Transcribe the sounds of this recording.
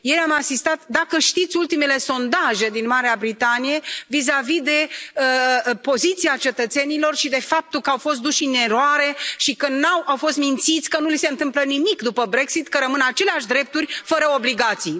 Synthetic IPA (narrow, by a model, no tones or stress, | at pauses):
je̞jamasist̪at̪d̪akəʃt̪it̪sʲult̪ime̞le̞so̞nd̪aʒe̞d̪inmaɾeabɾit̪anije̞vizavid̪e̞əpo̞zit̪siat͡ʃe̞t̪ət̪se̞nilo̞rʃid̪e̞fap̚t̪ukəawfo̞st̪̚d̪uʃine̞ɾoaɾe̞ʃikənawawfo̞st̪mint̪sit̪sʲkənulise̞ɨnt̪ɨmplənimikd̪upəbɾe̞ksit̪kəɾəmɨnat͡ʃe̞leaʃd̪ɾe̞p̚t̪urʲfəɾəo̞bliɡat̪sij